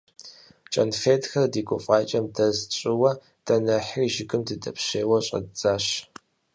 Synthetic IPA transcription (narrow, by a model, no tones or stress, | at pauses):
t͡ʃʼɐnfeːtxɐrdiːɡʷʼʊfʼɑːt͡ʃʼɐmdɐzt͡ʃʼɪwɐ | d̥ɐnɐħriʒɪkʼɨmdɨdɐpɕeːwɐɕʼɐ̰dd͡zaːɕ